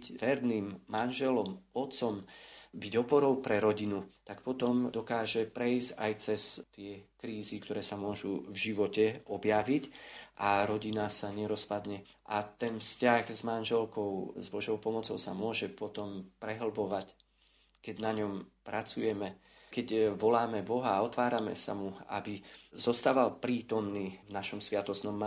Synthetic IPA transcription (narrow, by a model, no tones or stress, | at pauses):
cʋɛɾniːmːanʒɛlɔmɔt̪t͡sɔmbiɟɔpɔɾɔʊpɾɛɾɔɟinut̪akpɔt̪ɔmd̪ɔkaːʒɛpɾɛizɟajt͡sɛst̪ɪɛkɾiːzikt̪ɔɾɛːsamʊɔʒuvʒiʋɔcɛɔbjaʋicʔaɾɔɟinasaɲɛɾɔspad̪ɲɛ | ʔat̪ɛnfscaɣzmanʒɛlkɔʊzbɔʒɔʊpɔmɔt͡sɔʊsamʊɔʒɛpɔt̪ɔmpɾɛɦl̩bɔʋac | kɛɟnaɲɔmpɾʔat͡sujɛmɛ | kɛɟʋɔlaːmɛbɔɦaːɔt̪ʋaːɾamɛ̰sa̰mua̰bizɔst̪aːʋalpɾiːt̪ɔmniːvnaʃɔmsʋɪat̪ɔsnɔmː